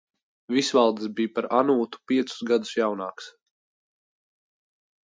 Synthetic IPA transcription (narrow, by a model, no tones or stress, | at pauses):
visvalˠd̪ɨsbijpaɾanuːt̪u̥piɛt̪sʊ̥zɡad̪usjawnaːks